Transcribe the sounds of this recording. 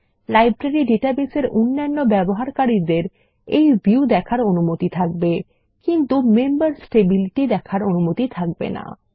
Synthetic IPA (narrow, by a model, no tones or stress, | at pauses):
lajbɾaɾiɖeʈabeseɾunːanːobɛboɦaɾkaɾid̪eɾ | ejbiud̪ɛkʰaɾonumot̪it̪ʰak̚be | kint̪umembaɾsʈebiliʈid̪ɛkʰaɾonumot̪it̪ʰak̚bḛna̰